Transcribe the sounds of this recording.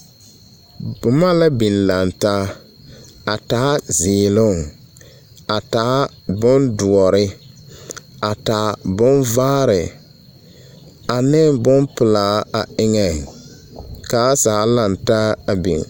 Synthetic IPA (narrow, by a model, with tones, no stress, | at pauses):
bʊ˨ma˦la˦bi˨nla˨ntaː˦ | a˨taː˨˦zɪː˨lʊ˦˨ŋ | a˨taː˨˦ | bʊ˦ndʊ˨ɔ˨ɾɪ˦ | a˨ta˨bʊ˦nvaː˦ɾɪ˨ | a˨nɪ˦ŋbʊ˦mpʊ˨laː˨˦a˨ɪ˦ŋɛ˨ | ka˨˦saː˨˦la˨nta˦a˨bḭ˨ŋ